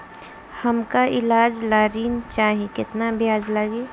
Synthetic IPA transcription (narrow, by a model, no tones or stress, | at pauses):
hɐmkaʔɪlaːd͡ʒlaːɾiːnt͡ʃaːɦẽkɪt̪nabʱjaːd͡ʒləɡeː